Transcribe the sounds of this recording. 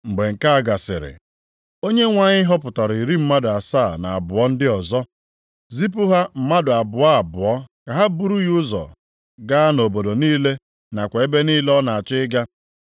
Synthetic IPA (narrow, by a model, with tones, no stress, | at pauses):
ŋ͡m̩˨ɡ͡be˨ŋ̩˨ka˦a˦˨ɡa˨sɪ̰˨ɾɪ̰˨ | o˦ɲe˦ŋʷa˨ɲɪ˦ɦɔ˦pʊ˨tɔ˨ɾi˨i˨ɾi˦m̩˦ma˦dʊ˨a˨sa˦˨na˨a˨bʊ˨ɔ˦n̩˦dɪ˦ɔ˨zɔ˦ | zi˦p̬ʊ˦ɦa˦m̩˨ma˦dʊ˨a˨bʊ˨a˦a˨bʊ˨ɔ˦ka˨ɦa˦bu˦ɾu˦jʊ˦zɔ̰˨ | ɡa˦a˦no˨bo˨do˨niː˦le˦ | na˨kʷe˨e˦be˦niː˦lɔ˦na˨a˨t͡ʃɪ˦ɪ˦ɡa˦